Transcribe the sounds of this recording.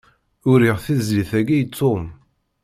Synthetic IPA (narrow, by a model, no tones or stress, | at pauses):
ʊɾiʁθizliθæɡijt̪ʰːom